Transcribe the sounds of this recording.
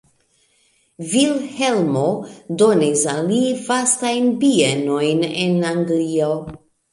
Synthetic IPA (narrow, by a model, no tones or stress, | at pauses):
vilhelmodo̞nisalivastajnpieno̞jnḛnaŋɡlio